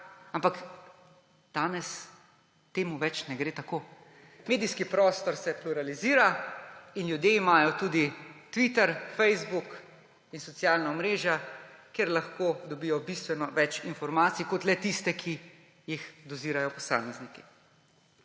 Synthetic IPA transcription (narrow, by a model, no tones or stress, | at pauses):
ampak | d̪̥aːnɛs | t̪eːmuʋɛt͡ʃnɛɡɾeːt̪akoː | meːd̪ijskipɾɔːst̪ɔɾsɛpluɾaliziːɾainjud̪jeimaːjɔt̪uːd̪it̪ʋit̪ɛɾfɛjzbuk | insɔt̪sjaːlnaɔmɾeːʒjakeɾlaxkoːd̪ɔbijɔbist̪ʋɛnɔʋɛt͡ʃinfɔɾmaːt̪sikɔt̪lɛt̪ist̪ɛkʰi | jixd̪ɔziːɾajɔpɔsa̰ːmɛzniki